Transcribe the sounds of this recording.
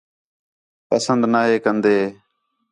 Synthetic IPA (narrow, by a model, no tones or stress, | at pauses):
pəsənd̪naːɦeːkənd̪eː